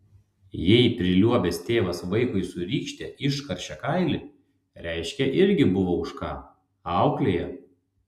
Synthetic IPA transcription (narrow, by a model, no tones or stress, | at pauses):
jɛɪpʲɾʲɪlʲuɔbʲɛst̪ʲeːʋɐsʋɐɪkʊɪsʊɾʲiːkʃʲt̪ʲɛʔɪʃkɐɾʲʃʲɛkɐɪlʲɪ | ɾʲɛˑɪʃʲkʲɛʔɪɾʲɡʲɪbʊʋoːʊʃkɑː | ɑˑʊklʲeːjɛ